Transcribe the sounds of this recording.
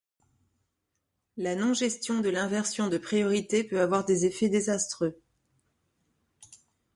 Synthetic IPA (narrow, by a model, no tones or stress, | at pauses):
lanɔ̃ʒɛst̪jɔ̃d̪əlɛ̃vɛʁsjɔ̃d̪əpχijɔʁit̪epøavwaʁd̪ezefɛd̪ezast̪χø